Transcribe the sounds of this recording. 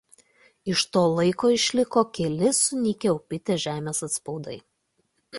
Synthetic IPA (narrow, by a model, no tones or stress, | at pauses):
ɪʃt̪oːlˠɐɪkoːɪʃʲlʲɪkoːkʲɛlʲɪsʊnʲɪkʲɛʊpʲɪt̪ʲeʒʲæːmʲeːsɐt̪spɒʊd̪ɐɪ